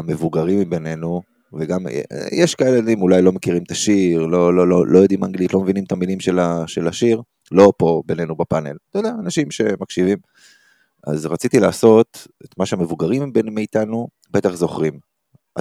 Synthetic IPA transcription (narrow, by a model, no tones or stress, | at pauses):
ame̞vuɡaʁimbe̞ne̞nu | veɡam̰jeʃkaeledimulajlo̞mekiʁimt̪aʃiʁlo̞lololʔojod̪imaŋɡlit̪lo̞mevinimt̪amilimʃelaʃe̞laʃiʁ | lo̞po̞be̞ne̞nubapanelt̪od̪eaːnaʃimʃe̞makʃivim | a̰zʁat͡sit̪ilaːso̞tet̪maʃeame̞vuɡaʁimbenmeit̪anu | bet̪aχzo̞χʁim | a